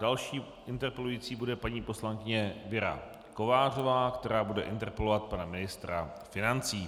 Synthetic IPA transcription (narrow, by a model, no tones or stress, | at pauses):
d̥alʃiː | ʔɪnt̪ɛɾpɛlujiːt͡siːbudɛpaɲiːpo̞slaŋkɪɲɛvɪɾa̰ | ko̞vaːro̞vaːkt̪ɛɾaːbudɛ̰ʔɪ̰nt̪ɛɾpɛlo̞vat̪̚panamɪnɪst̪ɾa | fɪnant͡siː